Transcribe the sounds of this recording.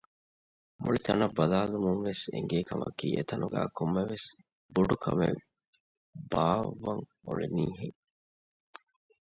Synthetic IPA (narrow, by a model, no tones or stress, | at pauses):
muɭit̪ɐnɐbːɐlaːlumuŋʋesḛŋɡeːkɐmʔɐkiːʔet̪ɐnuɡæːkʰumːɐʋes | buɖukʰɐme | baːʋːɐŋuɭiniːɦeŋ